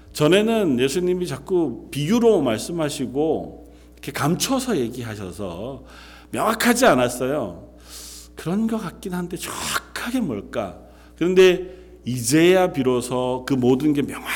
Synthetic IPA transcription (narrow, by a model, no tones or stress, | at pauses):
t͡ɕʌne̞nɯnje̞sʰuɲimit͡ɕak͈upijuɾomaɭs͈ɯmɦaɕʰiɡo | ʌkʰe̞kamt͡ɕʰʌsʰʌje̞ɡiɦaɕʰʌ̰sʰʌ | mjʌŋakʰad͡ʑianas͈ʌjo | kɯɾʌnɡʌkat̚k͈innɦandʰet͡ɕkʰaɡe̞mʌɭk͈a̰ | kɯɾʌnde̞ | id͡ʑe̞japiɾosʰʌkɯmodɯnɡe̞mjʌŋa